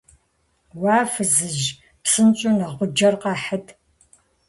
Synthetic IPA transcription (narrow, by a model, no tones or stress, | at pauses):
wɑːfɨzɨʒ | psɨnt͡ʃʼʊnɐʁʷʊd͡ʒɐrqɑːħətʰ